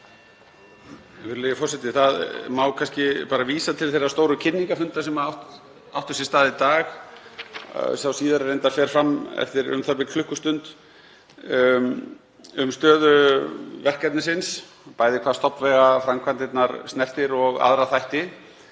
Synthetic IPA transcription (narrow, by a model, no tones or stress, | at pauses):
vɪɾlɪfɔrsɛt̪ɪθaðmawkʰanscɪpaːɾaviːsat̪ʰɪlθejrast̪oːwɾʏcʰɪnːiŋkafʏnt̪asɛmaawht̪ | a̰wht̪ʏsɛ̥st̪aːðɪit̪aːx | sawsiːðaɾarejnt̪afɛːɾ̥fɾamːɛ̰ft̪ɪɾʏ̰mθap̬ɪkʰlʏhkʏst̪ʏnt̪ | ʏmst̪œːðʏvɛr̥kat̪nɪsɪns | paːjðɪkʰvaːst̪ɔpvɛɣafɾamkʰvant̪ɪt̪naɾstnɛr̥t̪ɪɾɔɣa̰ðɾaθajht̪ɪ